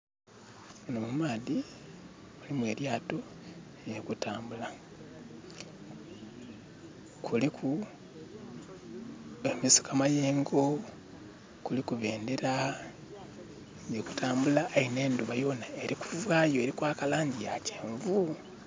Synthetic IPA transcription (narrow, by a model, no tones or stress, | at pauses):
nomumaːði | ulimwe̞ɾjaːto̞ | jekutaːmbula | kʰulikʰu | emisi̥kamaje̞ːŋɡo̞ | kulikuβe̞ːndeɾa | jeku̥taːmbulaːine̞ːnduβajo̞ːnae̞ɾiku̥vwaːjoeɾikwaːkalaːɲɟijaceːɱvu